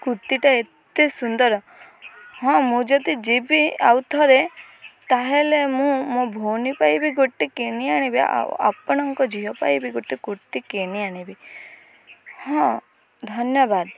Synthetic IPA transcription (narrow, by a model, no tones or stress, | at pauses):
kuɾt̪iʈaet̪esund̪ɔɾɔ | hɔ̃mũd͡ʒɔd̪id͡ʒebia̰wt̪ʰɔɾe | t̪aɦelemũmõbʱonipajbiɡoʈːikeɽ̃iaɽ̃ibia̰pɔɽ̃ɔŋkɔd͡ʒiɦɔpa̰jbiɡoʈikuɾt̪ikeɽ̃iaɽ̃ibi | hɔ̃ | d̪ʱɔnjɔbad̪